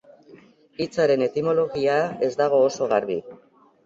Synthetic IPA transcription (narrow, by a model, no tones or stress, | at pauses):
it͡saɾe̞ne̞t̪imolo̞ɣiae̞zd̪aɣ̞o̞ːso̞ɣaɾβḭ